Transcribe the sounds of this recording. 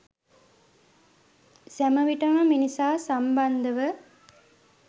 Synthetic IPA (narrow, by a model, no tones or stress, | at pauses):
sæməʋiʈɐməminisaːsamband̪əʋə